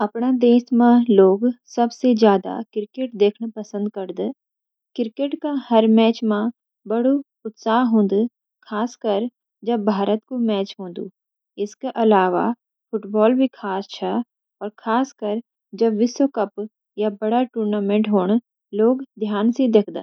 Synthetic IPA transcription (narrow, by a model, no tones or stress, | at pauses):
ɐpɽ̃ad̪eːsmãloːɡsɐbsed͡ʒjaːd̪a̰kɪɾkeːʈ̚d̪eːkʰɳpɐsə̃nd̪̚kɐɾd̪e | kɪɾkeʈkahɐɾmɛːt͡ʃmã | bɐɽu | ʊt̪saːɦɦõːn̆d̪u | kʰaːskəɾ | d͡ʒɐbːʱaːɾət̪komɛːt͡ʃɦõːn̆d̪ṵː | ɪskeʔɐlaːʋa̰ | pʰʊʈbɔːlbʱikʰaːst͡ʃʰɛ | ɔːɾkʰaːskɐɾ | d͡ʒɐbʋɪswəkɐp | jabɐɽaʈuːɾnaːmẽʈɦoːɽ̃ | loːɡd̪ʱjaːnsed̪eːkʰd̪ḛː